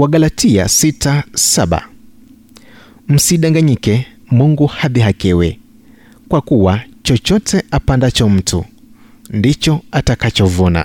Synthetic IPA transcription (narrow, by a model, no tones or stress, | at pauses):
waɡalatia̰sitasaɓa̰ | m̩siɗaŋɡaɲikɛmuŋɡuhaðiɦakɛwɛ | kwakuwat͡ʃɔt͡ʃɔtɛʔapandat͡ʃɔm̩tṵ | ndit͡ʃɔatakat͡ʃɔvɔna̰